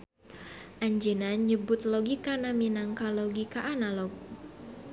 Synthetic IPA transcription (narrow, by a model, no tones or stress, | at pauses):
ʔaɲd͡ʒənaɲəbʊt̪̚lɔɡikanaminaŋkalɔɡikaʔanalɔɡ